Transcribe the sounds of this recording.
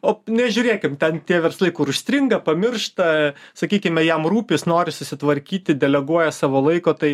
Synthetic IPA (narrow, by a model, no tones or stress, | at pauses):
oːnʲɛʒʲʊːɾʲeːkʲɪmt̪ʲɛnt̪ʲiɛʋʲɛrsɐlʲˠɐɪkʊɾʊʃʲsʲt̪ɾʲɪŋɡɐpɐmʲɪrʃt̪ɐsɐkʲiːkʲɪmʲɛjɛmruːpʲɪsnoːɾʲɪsʊsʲɪt̪ʋɐɾʲkʲiːt̪ʲɪd̪ʲɛlʲɛɡuɔjɛsɑːʋoːlˠɐɪkoːt̪ɐɪ